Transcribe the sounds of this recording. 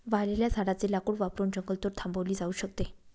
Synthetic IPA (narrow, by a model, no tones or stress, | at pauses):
ʋaleljad͡zʱaɽat͡selakuːɽʋapɾuːɳd͡ʑəŋɡəlt̪oɾt̪ʰãmbəʋliːd͡zauːɕəkt̪e